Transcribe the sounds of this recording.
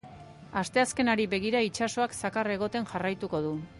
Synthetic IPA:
ast̪e̞aske̞naɾiβe̞ɣ̞iɾait͡ʃaso̞aksakare̞ɣ̞o̞t̪e̞nʝarajt̪uko̞ð̞u

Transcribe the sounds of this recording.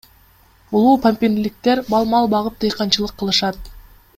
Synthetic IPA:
ulˠuːpʰamʲpʲinilʲik̚t̪eɾbɑlˠmɑlˠbɑʁɯp̚t̪ɯjqɑnt͡ʃɯlˠɯqʰːɯlˠɯʃɑt̪̚

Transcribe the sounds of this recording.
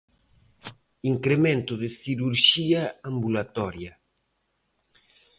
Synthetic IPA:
iŋkɾemẽnt̪ʊðɪθiɾuɾʃiaambulat̪ɔɾjɐ

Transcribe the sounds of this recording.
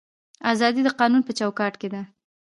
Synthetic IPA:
azɑd̪id̪əqɑnunpət͡ʃawkɑʈked̪a

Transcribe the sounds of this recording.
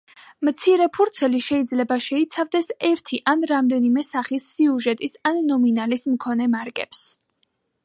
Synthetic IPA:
mt̪sʰiɾɛpʰuɾt̪sʰɛliʃɛid̪zlɛbaʃɛit̪sʰavd̪ɛsɛɾt̪ʰiʔanɾamd̪ɛnimɛsaχisːiuʒɛt̪ʼisanːɔminalismkʰɔnɛmaɾkʼɛ̰ps

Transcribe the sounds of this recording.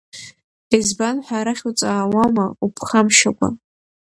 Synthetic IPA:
ezbanħʷaɾaχʲut͡sʼaːwamaupʰχamʃakʷʰʼa̰

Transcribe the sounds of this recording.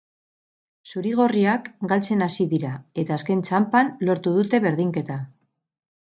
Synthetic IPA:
suɾiɣ̞o̞riakɡalt͡se̞nasiðiɾae̞t̪aːske̞nt͡ʃampanlo̞ɾt̪uðut̪e̞βe̞ɾð̞iŋke̞t̪a

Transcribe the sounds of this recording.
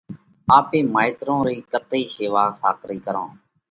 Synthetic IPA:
aːpeːmaːɪt̪ɾõːɾiːkət̪iːseːʋaːkaːkɾiːkəɾõ̰ː

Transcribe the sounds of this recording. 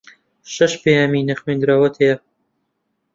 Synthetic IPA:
ʃɐʃpejaːminɐxwend̪ɾaːwɐt̪ʰhejɐ

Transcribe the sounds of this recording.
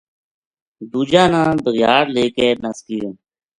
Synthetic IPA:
d̪uːd͡ʒaːnãːbəɣjaːɾleːkeːnəskiːõː

